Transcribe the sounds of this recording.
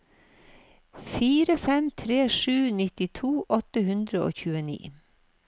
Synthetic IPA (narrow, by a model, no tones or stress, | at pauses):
fiːɾəfɛmt̪ʰɾeːʂʉːnɪt̪ɪt̪ʰuːʔɔt̪əhʉnd̪ɾəo̰ːçʉːənḭː